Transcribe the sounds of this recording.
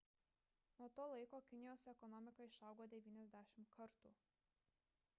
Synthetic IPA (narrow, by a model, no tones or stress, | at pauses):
noːt̪oːlˠɐɪkoːkʲɪnʲɪjoːsɛkɔnɔmʲɪkɐɪʃɐˑʊɡoːd̪ʲɛʋʲiːnʲɛzʲd̪ʲæːʃʲɪmkʰɐɾt̪ṵː